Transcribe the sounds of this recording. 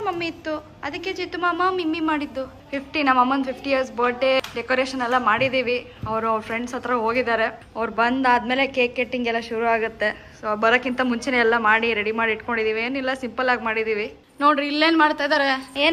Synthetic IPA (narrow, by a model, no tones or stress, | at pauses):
mɐmːiit̪ːu | ɐd̪ɐkːet͡ʃit̪ːumamɐmimːimaːɽid̪ːu | pʰipʰʈinaːmɐmːɐnpʰipʰʈijɐɾsbɐːɖeɖekoːɾeːʃɐnɛlːɐmaːɽid̪iːʋi | ɐʋɾuɐʋɾpɾeɳɖsɐt̪ːɾɐɦoːɡid̪aːɾe | ɐʋɐɾbɐnd̪aːd̪meːlekeːkːeʈːiŋɡɛlːɐʃuɾuaːɡut̪ːe̞ | sobɐɾokːint̪ɐmuɲt͡ʃeneːlːɐmaːɽiɾeɽimaːɽiiʈko̞ɳɖid̪iːʋieːnilːɐsimpɐlaːɡmaːɽid̪iːʋi | noːɖɾilːeːnmaːɽt̪ajd̪aːɾeeːn